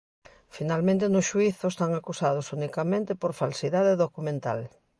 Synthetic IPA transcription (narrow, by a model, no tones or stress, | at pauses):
finalmẽnt̪enʊʃuiθʊest̪aŋakusað̞ʊsunikamẽnt̪epoɾfalsiðaðeðokumẽnt̪a̰l